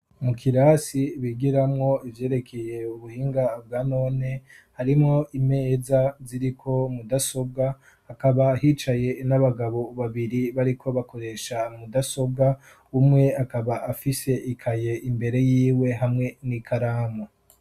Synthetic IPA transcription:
mukʰiɾasiβiɡiɾamŋo̞ivje̞ːɾe̞kʰe̞je̞uβuhiːŋɡabɡaːno̞ːne̞ | haɾimŋo̞ʔime̞ːzaziɾikʰo̞mudaso̞b̚ɡaː | kaβaːhit͡ʃaje̞naβaɡaβo̞βaβiɾiβaɾikʰo̞βako̞ɾe̞ʃamudaso̞b̚ɡa | umŋe̞akaβaʔafise̞ʔikʰaje̞ʔimbe̞ɾe̞jiːwe̞ɦamŋe̞nikʰaɾaːma

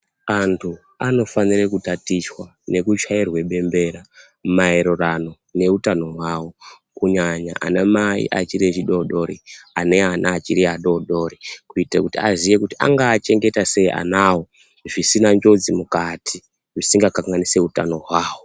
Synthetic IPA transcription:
antʰu | ano̞fanirekutatiswa | ne̞kut͡ʃairwe̞ɓe̞mbe̞ɾa | maeɾorano̞ | ne̞utano̞ɦwaːwo | kuɲaɲa̰ʔa̰nemaḭʔat͡ʃiɾet͡ʃiɗo̞ɗo̞ɾiane̞anʔaːt͡ʃiɾiaɗo̞ɗo̞ɾikuitakutiazije̞kutiʔa̰ŋɡaːt͡ʃe̞ŋɡe̞tase̞iʔa̰naːwo̞ | ʐisinand͡ʒo̞d͡zimukatʰi | ʐisiŋɡakaŋɡanise̞utano̞ɦwaːwo

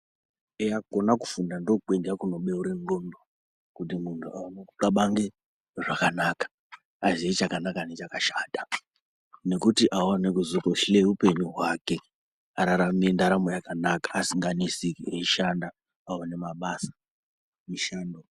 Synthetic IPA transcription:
ejaɡʱonakufundandokuk͡peŋɡeakuno̞ɓe̞uɾeŋɡondo | kutimuntʰuaanokukaɓaŋɡe | ʐakanakḁː | ziet͡ʃakanakane̞t͡ʃakaʃaːdʱa | ne̞kutiʔawanekuzukoʃileupe̞ɲuɦwake̞ | aɾaɾamiendaɾamojakanakḁːsiŋɡanisikeiʃandaː | wane̞maɓasḁ | miʃaːndo

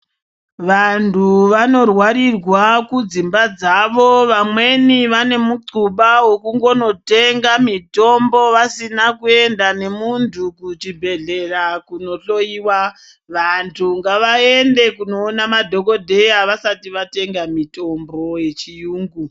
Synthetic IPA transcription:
ʋantʰuʋano̞rwaɾirwakud͡zimbad͡zaʋo̞ʋamwe̞niʋane̞muǀuɓawokuŋɡo̞no̞te̞ŋɡamito̞mbo̞ʋasinakue̞ndane̞muntʰukut͡ʃibʱe̞ɮe̞rakuno̞ɬo̞iːwa | ʋantʰuŋɡaʋae̞nde̞kuno̞ːnamadʱo̞ko̞dʱe̞jaʋasatiʋate̞ŋɡamito̞mboje̞t͡ʃijuːŋɡu

